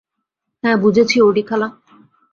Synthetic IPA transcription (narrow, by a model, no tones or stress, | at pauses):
hɛ̃bud͡ʑʱet͡ɕʰioɖikʰala